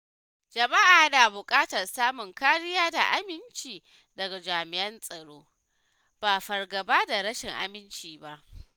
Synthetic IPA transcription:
d͡ʒɐ˨ma˦ʔaː˨da˨bʊ˨kʼaː˦tɐ˨rsaː˦mʊ˨ŋkaː˦ɽɪ˦jaː˦da˨ʔa˦mɪ˦nt͡ʃiː˨ | dɐ˨ɡa˨d͡ʒaː˨mɪ˨ʔɐ˦nsʼɐ˨ɽoː˦ | b̥a˨ɸɐ˨rɡɐ˨baː˦da˨ɾɐ˦ʃɪ˨ŋʔa̰˨mɪ˦nt͡ʃiː˨ba˦ʔ

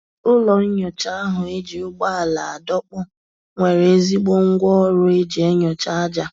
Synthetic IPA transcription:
ʊ˦lɔ˨n̩˦ɲɔ˨t͡ʃa˦a˦ɦʊ˨e˦d͡ʒi˨ʊ˦ɡ͡ba˦a˨la˨a˨dɔ˦k͡pɔ˦ | ŋʷe˨ɾe˨e˦zi˦ɡ͡bo˦ŋ̩˦ɡʷɔ˦ɾʊ˦e˦d͡ʒe˨e˦ɲɔ˨t͡ʃa˦a˦d͡ʒa˨

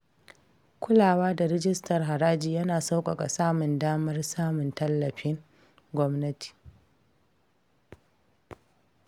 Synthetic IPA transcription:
kʷʊ˦laː˨waː˦da˨ɾɪ˦d͡ʒɪ˦stɐ˨rɦa˨ɾaː˦d͡ʒiː˨jɐ˦naː˨sa˦wkʷʼɐ˨kʼa̰˨saː˦mʊ˨ndaː˦mɐ˦rsaː˦mʊ˨ntɐ˦lːɐ˨ɸɪ˦ŋ | ɡʷɔ˦mnɐ˦ti̥ː˨

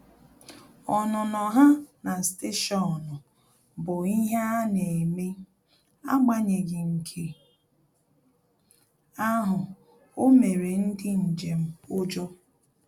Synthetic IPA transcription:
ɔ˨nɔ˨nɔ˨ɦa˦na˨ste˦ʃɔ˨nʊ˨ | bʊ˨i˦ɦa˦ne˨e˨me˦ | a̰˦ɡ͡ba˦ɲe˨ɡɪ˨ŋ̩˨kʰe˦ | a˦ɦʊ˨ | o˦me˨ɾe˨n̩˦dɪ˦n̩˨d͡ʒe˨m̩˦ʊ˦d͡ʒɔ˦

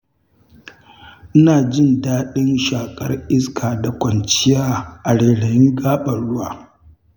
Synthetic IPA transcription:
ʔɪ˦naː˨d͡ʒɪ˦ndaː˦ɗɪ˦nʃaː˨kʼɐ˦rʔɪ˦skʰaː˨da˨kʷɐ˨nt͡ʃɪ˦jaː˦ʔa˨ɽeː˨ɽɐ˨jɪ˦ŋɡaː˦ɓɐ˨ɽʊ˦waː˨

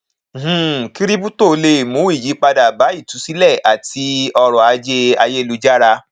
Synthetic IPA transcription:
ki˦ɾi˦bu˦to˦˧le˧˨mũ˨˦i˦˨ji˨˦k͡pa˧da˨ba˨˦i˦˨tu˨˦si˦lɛ˦˨ʔa˨ti˧ɔ˧ɾɔ˨a˨˧d͡ʒe˧a˧je˦lu˦d͡ʒa˦ɾa˧

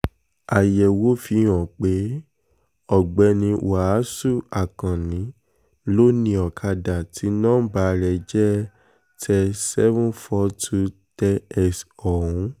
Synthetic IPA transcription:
a˨jɛ˨wo˦fĩ˨˧˦ɔ̃˨k͡pe˨˦ | ɔ˨ɡ͡bɛ˨˧nĩ˧˨a˨˦su˦˨a˨kã˨nĩ˨˦ | lo˦nĩ˧˦ɔ˨kʰa˧da˨ti˨˦nãː˦ba˨˧˦ɾɛ˨d͡ʒɛ˦ | tʰɛ˧sɛ˦vũ˦fɔ˧˦tʰu˦tɛ˧ɛ˧sɔ˨ɾũ˨˦

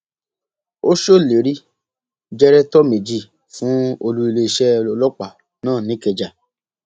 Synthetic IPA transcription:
o˦ʃo˦˨le˨ɾi˦ | d͡ʒɛ˦ɾɛ˦tɔ˦me˨d͡ʒi˧˨ | fũ˨˦o˧lu˦i˧le˧i˧ʃɛ˦˧ɔ˧lɔ˦k͡pa˨ | nãː˦˨nĩ˨˦kɛ˧d͡ʒa˨

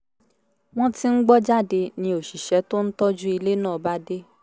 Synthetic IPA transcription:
w̃ɔ̃˦ti˦n̩˦ɡ͡bɔ˦d͡ʒa˦˨de˧nĩ˧o˨ʃi˨ʃɛ˨˦to˦n̩˦tɔ˦d͡ʒu˦i˧le˦nãː˦˨ba˦de˦

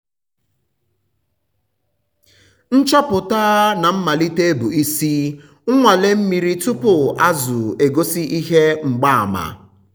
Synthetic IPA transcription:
n̩˦t͡ʃɔ˦pʊ˨ta˦na˨m̩˦ma˨li˦te˦e˦bu˨i˦si˦ | ŋ̩˦ŋʷa˨le˦m̩˦mi˨ɾi˦tu˦pʊ˨a˦zʊ˨e˨ɡo˦si˦ʔi˦ɦe˦ŋ͡m̩˨ɡ͡ba˦˨a˨ma̰˨

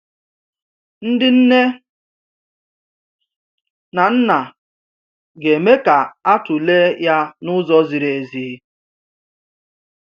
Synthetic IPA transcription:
n̩˦dɪ˦n̩˦ne˦ | na˨n̩˦na˨ | ɡe˨me˦ka˨a˦tʊ˨le˦ja˦nʊ˦zɔ˦zi˨ɾe˨ziː˨˦

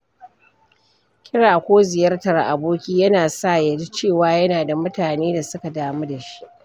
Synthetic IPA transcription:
kʲɪ˦ɽaː˨kʷoː˦zɪ˨jɐ˦rtɐ˨rʔa˨boː˦kʲiː˦jɐ˦naː˨sa˦˨jɐ˨di˦t͡ʃeː˦˨waː˨˦jɐ˦naː˨da˨mʊ˦taː˨neː˦da˨sʊ˦ka˨daː˨mu˦da˨ʃi̥˦ʔ

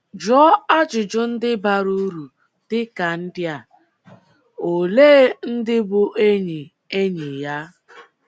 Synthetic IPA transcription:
d͡ʒɔ˦a˦d͡ʒʊ˨d͡ʒʊ˦n̩˦dɪ˦ba˦ɾu˦ɾu˨ | d̥ɪ˦ka˨n̩˦dɪ˦a˨ | o˨leː˦n̩˦dɪ˦bʊ˦ʔe˦ɲe˨ | e˦ɲe˨ja˦

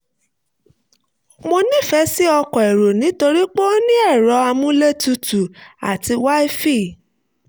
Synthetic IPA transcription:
mo˧nĩ˦˨fɛ˧˦si˦ɔ˧kɔ˨ɛ˨ɾo˨nĩ˨˦to˧ɾi˦k͡po˦o˦nĩ˦ɛ˦˨ɾɔ˨˧˦a˧mũ˦le˦tu˧tu˨a̰˨ti˧wa˦e˦fi˦˨

